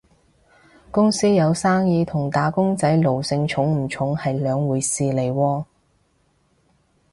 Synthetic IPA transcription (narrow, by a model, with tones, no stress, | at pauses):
kʊ˥ŋsiː˥jɐ˨˧wsaː˥ŋjiː˨˧t̪ʰʊ˨˩ŋt̪aː˨˥kʊ˥ŋt͡sɐ˨˥jlo˨˩wsɪ˧ŋt͡ʃʰʊ˨˥ŋm̩˨˩t͡ʃʰʊ˨˥ŋhɐ˨jlœː˨˧ŋwuː˨˧jsiː˧le˨˩jwɔː˧